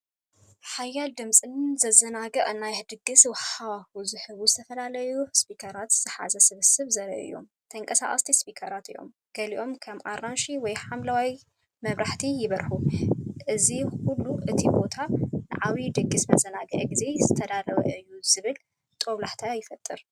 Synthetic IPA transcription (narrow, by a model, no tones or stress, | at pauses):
ħajald̪ɨmsʼɨnzɐzɐnaɡɐʔʼɨnajhɨd̪ɨɡːɨswɐħawahuzɨħɨβuzɨt̪ʰɐfɐlalɐjuɨspʰikʰɐɾat̪zɨħa̰zɐsɨβɨsɨβzɐɾɐ̰ʔɨ̰jo̞̰m | t̪ʰɐŋkʼɐsa̰χʼɐ̰st̪ʰispʰikʰɐɾat̪ɨ̰jʔo̞̰m | ɡ̥ɐliʔo̞mkʰɐmʔaɾanʃiwɔjħamlawaj | mɐβɾʔaħt̪ʰijɪβɐɾħuʔɨzixulːuʔɨt̪ʰibo̞t̪ʰanɨ̰ʕawid̪ɨɡːɨsbɐzɐnaɡɐ̰ʔɡize̞zɨt̪ʰɐd̪aɾɐβɐ̰ʔɨjːuz̥ɨβɨl | t̪ʼoβlaħt̪ʰajɪfɐt̪ʼɨɾ